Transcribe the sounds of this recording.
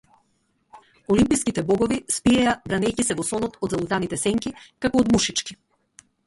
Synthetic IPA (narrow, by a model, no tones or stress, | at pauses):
ɔlimpijskit̪ɛbɔɡɔvispiɛjabɾanɛjcisɛvɔsɔnɔt̪ɔd̪zalˠut̪anit̪ɛsɛŋkikakɔːd̪muʃit͡ʃki̥